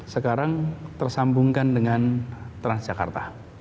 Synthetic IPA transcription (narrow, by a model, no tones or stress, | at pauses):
səkaɾaŋt̪ərsambuŋkandəŋant̪ɾansdd͡ʒ̥aka̰rt̪a